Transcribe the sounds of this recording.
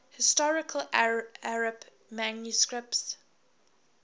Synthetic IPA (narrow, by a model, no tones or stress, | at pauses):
hɪstɔɹɪkʰəlaɹəb | manjuskɹɪp̚ts